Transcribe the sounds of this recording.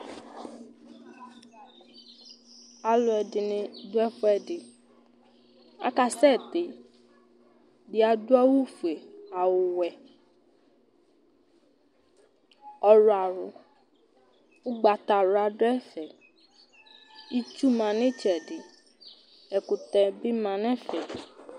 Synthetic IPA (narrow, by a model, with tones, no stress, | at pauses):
a˨lʊ˨ɛ˨dɪ˨nɪ̃˨dʊ˦ɛ˦fʊ˦ɛ˨dɪ˨ | a̰˦ka˦sɛ˦˨t̪e˨ | dɪ˦a˨dʊ˦a˦wu˦fu˨e˨a˨wʊ˨wɛ˨ | ɔ˨ɾʊ˨a˨ɾʊ˨ | ʊ˦ɡ͡ba˨t̪a˨ɾa˨dʊ˦ɛ˦fɛ˨ | i˦t͡ʃu˦mã˨nɪ̃˦t͡ʃɛ˨dɪ˨ | ɛ˨kʊ˨t̪ɛ˨bi˦mã˨nɛ̃˦fɛ˨